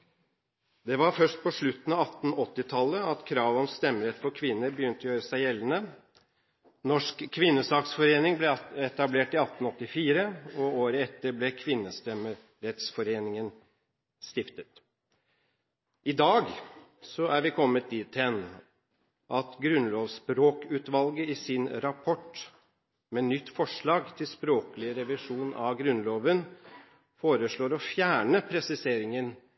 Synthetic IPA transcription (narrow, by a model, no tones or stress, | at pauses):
d̪ɛʋɑɾfœʂʈ̚pɔʂɭʉt̪ːn̩ɑʋɑt̪ːn̩ɔt̪ːɪt̪ʰɑlːəɑt̪kʰɾɑːʋɔmst̪ɛmːəɾɛt̪fɔɾkʰʋɪnːəɾbəjʏnt̪əɔjøːɾəsæɪjɛlːənə | nɔʂkkʰːʋɪnːəsɑːksfɔɾeːnɪŋblɛɛt̪ɑbleːʈɪɑt̪nɔt̪ːɪfiːɾəɔoːɾəɛt̪ːəɾblɛkʰʋɪnːəst̪ɛmə | ɾɛt̪sfɔɾeːnɪŋən | st̪ɪft̪ət̪ | ɪd̪ɑːɡsɔæɾʋɪkʰɔmːət̪̚d̪iːt̪ɛn | ʔɑt̪ɡɾʉnloːʋspɾoːkʉːt̪ʋɑlɡəɪsɪnɾɑpʰɔʈ | meːnʏt̪ːfɔʂɭɑːɡt̪ʰɪlspɾoːkəlɪɾɛʋɪʂuːnʔɑ̰ʋɡɾʉnloːʋən | foːɾəʂɭoːɾɔfjæːɳəpʰɾɛsɪseːɾɪŋən